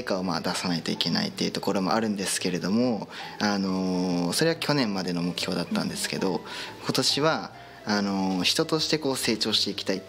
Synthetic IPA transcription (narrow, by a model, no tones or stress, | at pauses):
ikaoma̰ːd̪asanait̪o̞ike̞na̰ḭt̪ːe̞iɯ̟t̪o̞̥ko̞ɾo̞mo̞̰aɾɯ̟̃nd̪e̞sɨ̥ke̞ɾe̞d̪o̞mo̞ano̞so̞ɾe̞βakʲo̞nẽ̞mːad̪e̞no̞mo̞kɯ̟̥ço̞ːd̪at̪ːã̰nd̪esɨ̥ke̞d̪o̞kʰo̞t̪o̞ɕiβaː | no̞çi̥t̪o̞t̪o̞ɕi̥t̪e̞ko̞ːse̞ːt͡ɕo̞ːɕi̥t̪e̞ikʲi̥t̪aitː